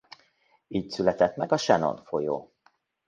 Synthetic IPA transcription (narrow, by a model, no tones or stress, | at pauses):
iːcsylɛt̪ɛt̪mɛɡɒʃɛno̰nfo̞jo̰ː